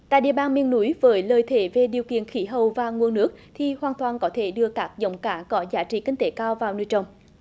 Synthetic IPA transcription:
t̪a̰ː˧˨jɗḭ˧˨əɓaː˧nmi˧ənnu˨˦jvəː˨˦jləː˨jt̪ʰe˨˦ve˧˩ɗi˨˩əwkḭ˧˨ənxi˨˦ɦə˨˩wvaː˨˩ŋu˧ənnɨ˦˥ək̚t̪ʰi˨˩hwaː˨˩nt̪ʰwaː˨˩nkɔ˨˦t̪ʰe˧˩ɗɨ˧əkaː˦˥k̚zə̰˨˦wŋ͡mkaː˨˦kɔ˨˦zaː˨˦t͡ɕḭ˧˨kï˧ŋ̟t̪e˨˦kaː˧wvaː˨˩wnu˧˩jt͡ɕə˨˩wŋ͡m

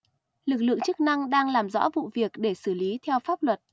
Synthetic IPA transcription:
lɨ˨˩k̚lɨ̰˧ə˨ŋt͡ɕɨ˦˥k̚na˧ŋɗaː˧ŋlaː˨˩mzɔ̰˧˥vṵ˧˨vi˨˩ək̚ɗe˧˩sɨ˧˩li˨˦t̪ʰɛ˧wfaː˦˥p̚lwə˨˩t̚

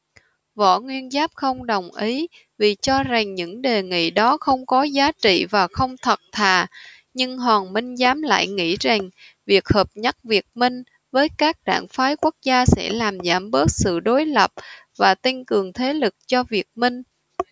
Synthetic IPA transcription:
vɔ̰˧˩ŋwi˧ənzaː˦˥p̚xə˧wŋ͡mɗə˨˩wŋ͡mʔi˨˦ | vi˨˩t͡ɕɔ˧za˨˩ŋɲɨ̰˧˥ŋɗe˨˩ŋḭ˧˨ɗɔ˨˦xə˧wŋ͡mkɔ˨˦zaː˨˦t͡ɕḭ˧˨vaː˨˩xə˧wŋ͡mt̪ʰə˨˩t̚t̪ʰaː˨˩ | ɲɨ˧ŋɦɔː˨˩ŋmï˧ŋ̟zaː˨˦mla̰ː˧˨jŋḭ˧˥za˨˩ŋ | vi˨˩ək̚həː˨˩p̚ɲa˦˥t̚vi˨˩ək̚mï˧ŋ̟ | vəː˨˦jkaː˦˥k̚ɗa̰ː˧˩ŋfaː˨˦jku˦˥ək̚zaː˧sɛ̰˧˥laː˨˩mzaː˧˩mɓə˦˥t̚sɨ̰˧˨ɗo˨˦jlə˨˩p̚vaː˨˩t̪i˧ŋkɨ˨˩əŋt̪ʰe˨˦lɨ˨˩k̚t͡ɕɔ˧vi˨˩ək̚mï˧ŋ̟

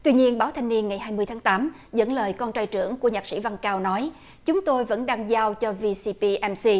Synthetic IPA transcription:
t̪wi˧ɲi˧ənɓaː˨˦wt̪ʰa˧jŋ̟ni˧ənŋa˨˩jɦaː˧jmɨ˧ət̪ʰaː˨˦ŋt̪aː˨˦m | zə̰˧˥nləː˨˩jkɔ˧nt͡ɕaː˧jt͡ɕɨ̰˧˩əŋku˧˩əɲaː˨˩k̚sḭ˧˥˩va˧ŋkaː˧wnɔ˨˦j | t͡ɕʊ˨˦ŋ͡mt̪o˧jvə̰˧˥nɗaː˧ŋzaː˧wt͡ɕɔ˧vi˧si˧pi˧ʔɛ˧msi˧

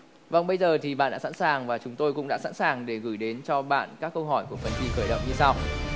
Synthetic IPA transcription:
va˨˩wŋ͡mɓə˧jzəː˨˩t̪ʰi˨˩ɓa̰ː˧˨nɗa̰ː˧˥sa̰˧˥nsaː˨˩ŋvaː˨˩t͡ɕʊ˨˦ŋ͡mt̪o˧jkʊ̰˧˥ŋ͡mɗa̰ː˧˥sa̰˧˥nsaː˨˩ŋɗe˧˩ɣɨ˧˩jɗe˨˦nt͡ɕɔ˧ɓa̰ː˧˨nkaː˦˥kːə˧wɦɔ˧˩jku˧˩əfə˨˩nt͡ɕi˧xəː˧˩jɗə̰˧˨wŋ͡mɲɨ˧sa˧w

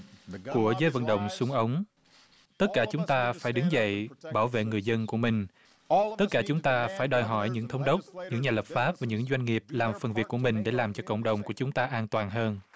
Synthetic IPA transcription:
ku˧˩əzəː˨˦jvə̰˧˨nɗə̰˧˨wŋ͡msʊ˨˦ŋ͡mʔə˨˦wŋ͡m | t̪ə˦˥t̚kaː˧˩t͡ɕʊ˨˦ŋ͡mt̪aː˧faː˧˩jɗɨ˨˦ŋzə̰˧˨jɓaː˧˩wvḛ˧˨ŋɨ˨˩əjzə˧nku˧˩əmï˨˩ŋ̟ | t̪ə˦˥t̚kːaː˧˩t͡ɕʊ˨˦ŋ͡mt̪aː˧faː˧˩jɗɔ˧˩jɦɔ˧˩jɲɨ̰˧˥ŋt̪ʰə˨˦wŋ͡mɗə˦˥wk͡p̚ɲɨ̰˧˥ŋɲaː˨˩lə˨˩p̚faː˦˥p̚vaː˨˩ɲɨ̰˧˥ŋzwa˧jŋ̟ŋi˨˩əp̚laː˨˩mfə˨˩nvi˨˩əkːu˧˩əmï˨˩ŋ̟ɗe˧˩laː˨˩mt͡ɕɔ˧kə̰˧˨wŋ͡mɗə˨˩wŋ͡mku˧˩ət͡ɕʊ˨˦ŋ͡mt̪aː˧ʔaː˧nt̪waː˨˩nɦəː˧n

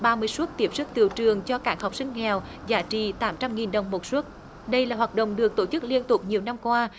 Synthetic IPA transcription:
ɓaː˧mɨ˧əjsu˦˥ət̚t̪i˦˥p̚sɨ˦˥k̚t̪ḭ˨əwt͡ɕɨ˨˩əŋt͡ɕɔ˧kaː˦˥k̚ha˨˩wk͡p̚sï˧ŋ̟ŋɛ˨˩w | zaː˧˦t͡ɕḭ˧˨t̪aː˨˦mt͡ɕa˧mŋi˨˩nɗə˨˩wŋ͡mmo˨˩t̚su˦˥t̚ | ɗə˧jlaː˨˩ɦwaː˨˩t̚ɗə̰˧˨wŋ͡mɗɨ˨˩ək̚t̪o˧˩t͡ɕɨ˦˥k̚li˧ənt̪ʊ˨˩k͡p̚ɲi˨˩əwna˧mkwaː˧

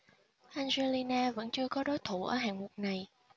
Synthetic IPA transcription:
ʔa˧jŋze˧li˧naː˧və̰˧˥nt͡ɕɨ˧əkɔ˨˦ɗo˨˦jt̪ʰu˧˩ʔəː˧˩ɦa̰ː˨˩ŋu˨˩ək̚na˨˩j

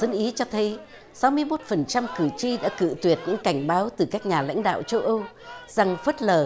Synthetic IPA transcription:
ə˨˦nʔi˨˦t͡ɕɔ˧t̪ʰə˨˦j | sa˨˦wmɨ˧əjmo˦˥t̚fə˨˩nt͡ɕa˧mkɨ˧˩t͡ɕi˧ɗa̰ː˧˥kɨ̰˧˨t̪wi˨˩ət̚ɲɨ̰˧˥ŋka˧˩jŋ̟ɓaː˨˦wt̪ɨ˨˩kaː˦˥k̚ɲaː˨˩la̰˧˥jŋ̟ɗa̰ː˧˨wt͡ɕə˧wʔə˧wza˨˩ŋfə˦˥t̚ləː˨˩

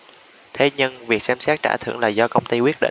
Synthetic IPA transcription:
t̪ʰe˨˦ɲə˧nvi˨˩ək̚sɛ˧msɛː˦˥t̚t͡ɕa̰ː˧˩t̪ʰɨ̰˧˩əŋlaː˨˩zɔ˧kə˧wŋ͡mt̪i˧jkwi˦˥ət̚ɗḭ˧˨

